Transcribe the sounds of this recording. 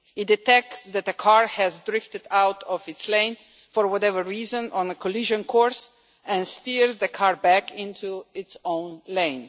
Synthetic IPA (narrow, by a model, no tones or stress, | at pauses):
ɪt̚dɨtɛk̚tsd̪ætəkʰaɹhɛzdɾɪftɨdawtʰɔvɪtslẽɪ̃n | fɔɹwɔtɛvəɹːiːzə̃nɔ̃nəkɔliʒə̃nkʰɔɹs | ɛ̃nstiɹzd̪əkʰaɹbækʰɪ̃ntʰuɪtsõʊ̃nlẽɪ̃n